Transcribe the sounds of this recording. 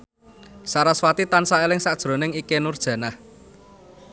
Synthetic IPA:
saɾaswat̪it̪ansaelɪŋsad̥ʒ̥ɾo̤nɪŋikenʊrd̥ʒ̥ä̤nah

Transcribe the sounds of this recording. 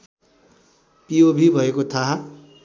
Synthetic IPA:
pijobʱibʱʌekot̪ʰaɦa

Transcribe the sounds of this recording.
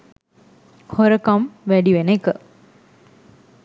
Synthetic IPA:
hoɾɐkɐmʋæɖiʋenekə

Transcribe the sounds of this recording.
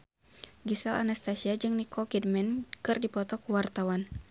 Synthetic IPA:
ɡisala̰nast̪asiad͡ʒɨŋnikʰɔkidmɛnkɨrdipɔt̪ɔkuwart̪awan

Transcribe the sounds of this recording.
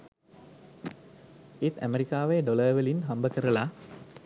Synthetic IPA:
it̪æ̰meɾikaːʋeɖoləːʋəlinɦɐmbəkəɾəla

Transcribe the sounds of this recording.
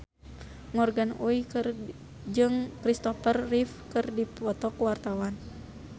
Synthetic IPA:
ŋɔrɡanuikr | d͡ʒɨŋkɾist̪ɔfərːifkɨrdipɔt̪ɔkuwart̪awan

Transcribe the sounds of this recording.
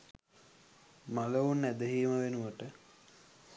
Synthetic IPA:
maləunːæd̪əɦiːməʋenuʋəʈə

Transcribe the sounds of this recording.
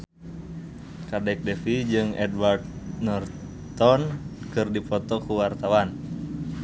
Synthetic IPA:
kadɛk̚dɛfid͡ʒɨŋɛ̰dward̪nɔr | t̪ɔnkɨrdipɔt̪ɔkuwart̪awan

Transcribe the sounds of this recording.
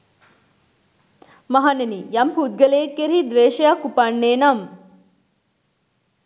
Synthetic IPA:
mɐɦanenijɐmpud̪̚ɡɐleːkːeɾid̪ʋeːʃɐjakupanːeːnɐm

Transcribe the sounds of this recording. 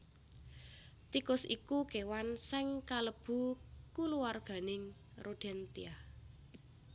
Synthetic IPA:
t̪ikʊsikuɡ̥ewansɪŋkaləb̥ṳkuluwarɡ̥a̤nɪŋ | roɖ̥ɛnt̪ḭah

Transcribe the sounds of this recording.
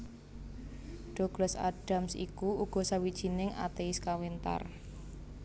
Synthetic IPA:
ɖ̥ɔɡ̥ləsa̰ɖ̥a̤msḭkuuɡ̥ɔ̤sawid̥ʒ̥i̤nɪŋa̰t̪eɪskawint̪a̰r

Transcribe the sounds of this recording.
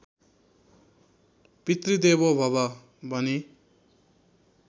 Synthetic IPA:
pit̪rid̪eβobʱʌbʌ | bʱʌni

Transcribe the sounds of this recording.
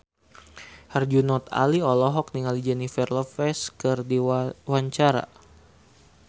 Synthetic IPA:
hard͡ʒunɔt̪a̰liɔlɔɦɔk̚niŋalid͡ʒɛnifɛrlɔfɛskɨrdiwaɲt͡ʃaɾa̰

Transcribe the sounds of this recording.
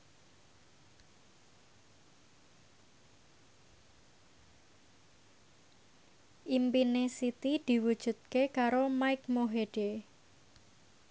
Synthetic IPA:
ʔimpinesit̪id̪̥i̤wud̥ʒ̥ṳt̪̚kekaɾomaɪkmoɦeɖ̥e

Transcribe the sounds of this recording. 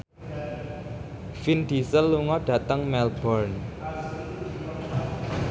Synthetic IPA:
find̪̥isəlːuŋɔɖ̥ä̤t̪əŋmɛlb̥ɔrn

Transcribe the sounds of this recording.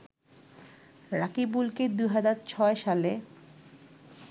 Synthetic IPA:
ɾakibulked̪uɦad͡ʑaɾt͡ɕʰɔeʃale

